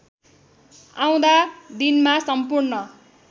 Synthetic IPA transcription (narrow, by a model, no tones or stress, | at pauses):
ãw̃d̪ad̪inmasʌmpurnʌ